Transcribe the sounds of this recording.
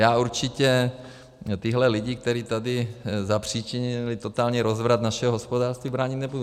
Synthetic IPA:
jaːuɾt͡ʃɪcɛ | t̪iɦlɛlɪɟɪk̚t̪ɛɾiːt̪adɪzapr̝̥iːt͡ʃɪɲɪlɪt̪ot̪aːlɲɛɾozvɾat̪naʃɛɦoɦospodaːrst̪viːbɾaːɲɪt̪nɛbudu

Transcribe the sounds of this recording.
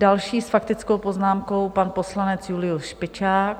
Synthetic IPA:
dalʃiːsfakt̪ɪt͡sko̞wpo̞znaːmko̞wpanpo̞slanɛt͡sjulɪusʃpɪt͡ʃaːk̚

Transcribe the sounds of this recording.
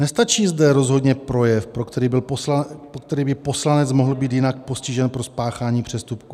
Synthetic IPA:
nɛst̪at͡ʃiːzdɛɾo̞zɦo̞dɲɛpɾo̞jɛfpɾokt̪ɛɾiːbɪlolapokt̪ɛɾiːbɪpo̞slanɛt͡smo̞ɦl̩biːt̪jɪnak̚po̞scɪʒɛnpɾo̞spaːxaːɲiːpr̝̥ɛst̪upku

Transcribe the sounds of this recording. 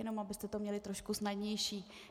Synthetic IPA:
ɛno̞mabɪst̪ɛt̪omɲɛlɪt̪ɾo̞ʃkusnadɲɛjʃiː

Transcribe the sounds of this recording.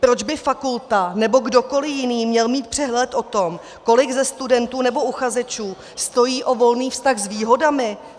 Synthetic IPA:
pɾo̞d͡ʒbɪfakult̪anɛbo̞ɡdo̞ko̞lɪjɪniːmɲɛlmiːt̪̚pr̝̥ɛɦlɛt̪ʔo̞t̪o̞m | ko̞lɪɡzɛst̪udɛnt̪uːnɛbo̞uxazɛt͡ʃuː | st̪o̞jiːʔo̞vo̞lniːfst̪aɣzviːɦo̞damɪ

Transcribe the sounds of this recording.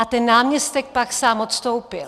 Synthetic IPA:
at̪ɛnːaːmɲɛst̪ɛk̚paksaːmot̪st̪owpɪl

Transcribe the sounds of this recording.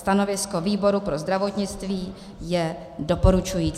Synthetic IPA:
st̪ano̞vɪsko̞viːbo̞ɾupɾo̞zd̪ɾavo̞t̪ɲɪt͡st̪viː | jɛ | do̞po̞ɾut͡ʃujiː

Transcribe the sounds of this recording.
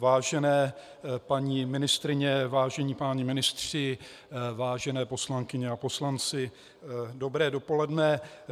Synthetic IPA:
vaːʒɛnɛː | paɲiːmɪnɪst̪ɾɪɲɛvaːʒɛɲiːpaɲɪmɪnɪst̪r̝̥ɪ | vaːʒɛnɛːpo̞slaŋkɪɲɛapo̞slant͡sɪ | do̞bɾɛːdo̞po̞lɛdnɛ

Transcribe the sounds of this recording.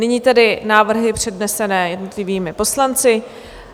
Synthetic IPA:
nɪɲiːt̪ɛdɪnaːvr̩ɦɪpr̝̥ɛdnɛsɛnɛːjɛdno̞t̪lɪviːmɪpo̞slant͡sɪ

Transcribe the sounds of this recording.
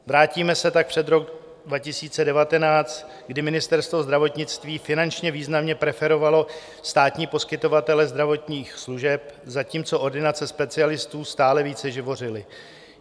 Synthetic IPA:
vɾaːciːmɛsɛt̪ak̚pr̝̥ɛd̪ɾo̞k | dvacɪsiːt͡sɛdɛvat̪ɛnaːt͡st̪ | ɡdɪmɪnɪst̪ɛɾst̪vo̞zd̪ɾavo̞t̪ɲɪt͡st̪viːfɪnant͡ʃɲɛviːznamɲɛpɾɛfɛɾo̞valo̞ | st̪aːt̪ɲiːpo̞skɪt̪o̞vat̪ɛlɛzd̪ɾavo̞t̪ɲiːxsluʒɛpzaciːmt͡so̞ʔoɾdɪnat͡sɛspɛt͡sɪalɪst̪uːst̪aːlɛviːt͡sɛʒɪvo̞r̝ɪlɪ

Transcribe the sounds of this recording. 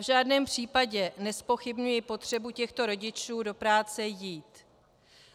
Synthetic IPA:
vʒaːdnɛːmpr̝̥iːpaɟɛnɛspo̞xɪbɲujɪpo̞t̪r̝̥ɛbucɛxt̪o̞ɾo̞ɟɪt͡ʃuːdo̞pɾaːt͡sɛjiːt̪

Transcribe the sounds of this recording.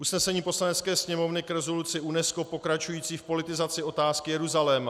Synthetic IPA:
ʔusnɛsɛɲiːpo̞slanɛt͡skɛːsɲɛmo̞vnɪkɾɛzo̞lut͡sɪʔunɛsko̞po̞kɾat͡ʃujiːt͡siːfpo̞lɪt̪ɪzat͡sɪo̞t̪aːskɪjɛɾuzalɛːma

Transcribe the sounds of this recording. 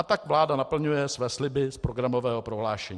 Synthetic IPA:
at̪akvlaːdanapl̩ɲujɛsvɛːslɪbɪspɾoɡɾamovɛːɦopɾoɦlaːʃɛɲː

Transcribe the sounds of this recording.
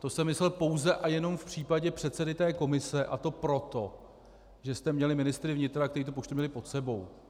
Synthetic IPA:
t̪o̞sɛmɪslɛlpo̞wzɛʔajɛno̞mfpr̝̥iːpaɟɛpr̥ɛt̪sɛdɪt̪ɛːko̞mɪsɛʔat̪o̞pɾo̞t̪o̞ | ʒɛst̪ɛmɲɛlɪmɪnɪst̪ɾɪvɲɪt̪ɾak̚t̪ɛɾit̪upot͡ʃt̪umɲɛlɪpo̞t̪sɛbo̞w

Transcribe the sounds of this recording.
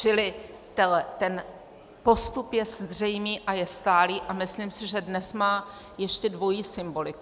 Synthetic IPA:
t͡ʃɪlɪ | t̪ɛt̪ɛn | po̞st̪upjɛzr̝ɛjmiːʔajɛst̪aːliːʔamɪslimsɪʒɛdnɛsmaː | jɛʃcɛdvo̞jiːsɪmbo̞lɪk

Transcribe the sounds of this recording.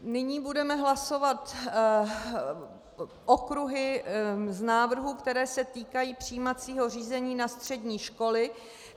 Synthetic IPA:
nɪɲiːbudɛmɛɦlaso̞vat̪ | ʔokɾuɦɪznaːvr̩ɦukt̪ɛɾɛːsɛt̪iːkajiːpr̝̥iːmat͡siːɦo̞riːzɛɲiːnast̪r̝̥ɛdɲiːʃko̞lɪ

